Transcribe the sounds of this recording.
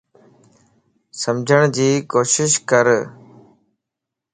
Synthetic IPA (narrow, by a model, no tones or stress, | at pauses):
səmd͡ʒʱəɽ̃d͡ʑiːkoːʃɪʃkəɾ